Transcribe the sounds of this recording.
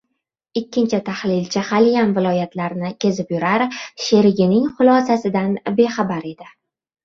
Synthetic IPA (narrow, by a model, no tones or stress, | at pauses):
ɪkʲːɪnt͡ʃʰɪt̪ʰaχlɪlt͡ʃʰɪχalijamvɪlˠɒjat̪laɾnɪkʲʰe̞zɪpjʊɾaɾʃe̞ɾɪɡʲɪnɪŋχʊlˠɒsasɪd̪anbe̞χabaɾe̞d̪ɪ